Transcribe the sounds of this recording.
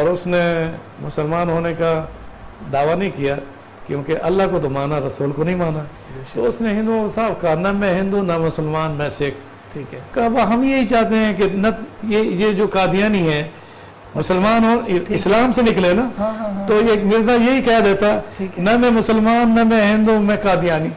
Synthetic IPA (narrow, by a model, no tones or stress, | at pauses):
ɔːɾʊsne | mʊsəlmaːnɦoːneka | d̪aːʋanɐɦĩkijaː | kjõːkeʔɐlːaɦkot̪omaːnaɾɐsuːlkonɐɦĩmaːna | t̪o̰ʊsneɦɪ̃nd̪usaːbkɐɦanɐmɛ̃ɦɪ̃nd̪unɐmʊsəlmaːnmɛ̃ːsɪk | ʈʰiːkkabaɦɐmjeɦit͡ʃaːɦt̪eɦɛ̃kenɐjejed͡ʒoːkaːd̪ʱijaːniɦɛ̃ː | mʊsəlmaːnɦoːɪslaːmsenɪk̬lenat̪oeːkmɪɾzajeɦikɛjad̪eːt̪aɛːnɐmɛ̃mʊsəlmaːnmɛ̃mɛ̃ɦɪ̃nd̪umɛ̃kaːd̪ijaːni